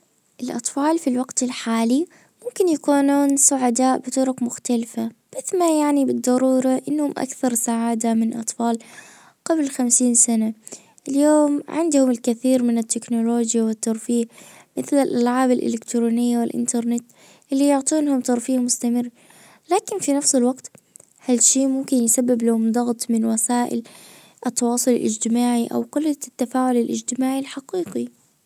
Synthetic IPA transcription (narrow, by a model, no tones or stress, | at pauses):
ʔɪlʔɑ̰t̪ˤfɑːlfilwaɡt̪ɪlħaːli | mʊmkɪnjakuːnuːnsʊʕad̪aːʔbɪt̪ʊɾʊkmʊxt̪alfabɪθmajaʕnibɨd̪ˤːɑɾˤuːɾˤɑʔɪnːhʊmʔa̰kθɑɾˤsaʕaːd̪amɪnʔɑt̪ˤfɑːl | qablxamsiːnsana | ʔɪljoːmʕɪ̰nd̪hʊmɪlkɪθiːɾmɪnɪt̪ːɪknʊloːd͡ʒjawɪt̪ːɑɾˤfiːɣ | mɪθlɪlʔalʕaːbalʔɪ̰lɪkt̪ɾoːnɪjːawɪlʔɪ̰nt̪ɑɾˤnɪt̪ | ʔɪlːijʊʕt̪ˤuːnhʊmt̪ɑɾˤfiːɣmʊst̪amɪrː | laːkɪnfinafsɪlwaɡt̪ | halʃiːmʊmkɪnjsabːɪblahʊmd̪ˤɑɣt̪ˤmɪnwasaːʔɪ̰l | ʔɨt̪ːɑwɑːsˤʊlɪlʔɪ̰d͡ʒt̪ɪmaːʕiʔa̰wkʊlːat̪ːafaːʕʊlɪlʔɪd͡ʒt̪ɪmaːʕilħaqiːqi